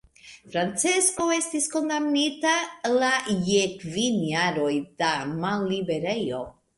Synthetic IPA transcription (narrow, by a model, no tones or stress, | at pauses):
fɾant͡sesko̞e̞stisko̞ndamnitalajekvinjaɾo̞jd̥amalːibe̞ɾe̞jo̞